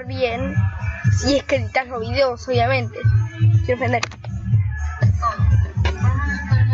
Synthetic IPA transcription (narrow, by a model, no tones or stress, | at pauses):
βjen | iehkeðit̪aloβiðeosoβjamẽnt̪ekjeɾofend̪eɾ